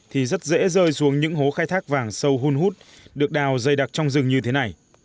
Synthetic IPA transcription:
t̪ʰi˨˩zə˦˥t̚zḛ˧˥zəː˧jsu˨˦əŋɲɨ̰˧˥ŋɦo˨˦xaː˧jt̪ʰaː˦˥k̚vaː˧˩ŋsə˧wɦu˧nɦu˦˥t̚ | ɗɨ˨˩ək̚ɗaː˨˩wzə˨˧˩jɗa˨˩k̚t͡ɕɔ˧wŋ͡mzɨ˨˧˩ŋɲɨ˧t̪ʰe˨˦na˨˩j

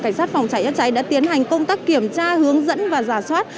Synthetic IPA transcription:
ka˧˩ŋ̟saː˦˥t̚fa˨˩wŋ͡mt͡ɕa˨˦jʔaː˧˥t͡ɕa˨˦jɗa̰ː˧˥t̪i˨˦ənɦa˨˩jŋ̟kə˧wŋ͡mt̪aː˦˥kːi˧˩əmt͡ɕaː˧hɨ˨˦əŋzə̰˧˥nvaː˨˩zaː˧˩swaː˦˥tt̚

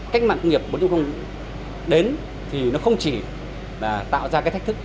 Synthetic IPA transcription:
kk̚ma̰ː˧˨ŋkə˧wŋ͡mŋi˨˩əp̚ɓnt͡ɕʊ̰˧˥xə˧ŋ͡m | ɗe˨˦n | t̪ʰi˨˩nɔ˨˦xə˧wŋ͡mt͡ɕi˧˩ | laː˨˩t̪a̰ː˧˨wzaː˧kaː˦˥t̪ʰːk̚t̪ɨ˦˥k̚

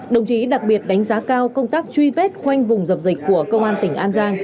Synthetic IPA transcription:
ɗə˨˩wŋ͡mt͡ɕi˨˦ɗa˨˩k̚ɓi˨˩ət̚ɗa˨˦ŋ̟zaː˨˦kaː˧wkə˧wŋ͡mt̪aː˦˥k̚t͡ɕwi˧vɛ˦˥t̚xwa˧jŋ̟vʊ˨˩ŋ͡mzə˨˩p̚zï˨˩k̟ku˧˩əkə˧wŋ͡mʔaː˧nt̪ï˧˩ŋ̟ʔaː˧nzaː˧ŋ

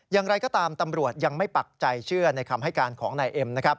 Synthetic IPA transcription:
jaː˨˩ŋɾa˧jkɔː˥˩t̪aː˧mt̪a˧mɾu˨˩ət̪̚ja˧ŋma˥˩jpa˨˩k̚t͡ɕa˧jt͡ɕʰɯ˥˩ɐna˧jkʰa˧mɦa˥˩jkaː˧nkʰɔː˩˦ŋnaː˧jʔe˧mna˦˥kʰɾa˦˥p̚

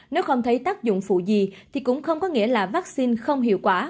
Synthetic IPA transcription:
ne˨˦wxə˧wŋ͡mt̪ʰə˨˦jt̪aː˦˥k̚zʊ̰˧˨ŋ͡mfṵ˧˨zi˨˩t̪ʰi˨˩kʊ̰˧˥ŋ͡mxə˧wŋ͡mkɔ˨˦ŋḭ˧˥əlaː˨˩vaː˦˥k̚si˧nxə˧wŋ͡mɦḭ˧˨wkwaː˧˩

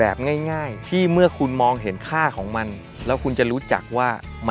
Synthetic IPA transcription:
ɛː˨˩p̚ŋaː˥˩jŋaː˥˩jt̪ʰiː˥˩mɯ˥˩ɐkʰu˧nmɔː˧ŋɦe˩˦nkʰaː˥˩kʰɔː˩˦ŋma˧n | lɛː˦˥wkʰu˧nt͡ɕa˨˩ɾuː˦˥t͡ɕa̰˨˩k̚waː˥˩ | m˧

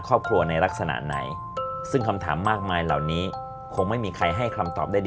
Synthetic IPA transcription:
kʰɾɔː˥˩p̚kʰɾu˧ɐna˧jɾa˦˥k̚sa˧na̰˨˩ʔna̰˩˦j | sɯ˥˩ŋkʰa˧mt̪ʰa̰ː˩˦mːaː˥˩k̚maː˧jla̰˨˩wniː˦˥ | kʰo˧ŋma˥˩jmiː˧kʰɾa˧jɦa˥˩jkʰa˧mt̪ɔ̰ː˨˩p̚daː˥˩jd

